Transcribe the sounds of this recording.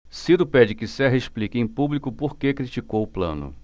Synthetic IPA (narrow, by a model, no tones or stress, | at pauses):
siɾʊpɛd͡ʒɪkɪsɛɦɐeʃplikɪẽj̃publikʊpoɾkekɾit͡ʃikowʊplɐ̰̃nʊ̰